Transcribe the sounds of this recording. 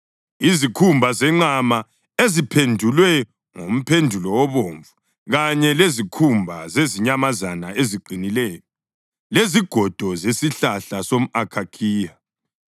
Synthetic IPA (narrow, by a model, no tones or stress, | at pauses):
izikʰumbʱazɛŋ͡ǀama | ezipʰendʱulwɛ | ŋom̩pʰendʱulɔwɔβoːɱvu | ɣaɲɛlezikʰumbʱazeziɲamazanaeziǃinilɛːjɔ | leziɡ̥ʱɔd̥ʱɔzesiɬaɬasom̩akʰakʰiːja